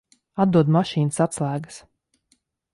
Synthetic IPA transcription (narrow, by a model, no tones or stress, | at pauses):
ad̪d̪uɔd̪maʃiːnəsat̪slˠæːɡə̥s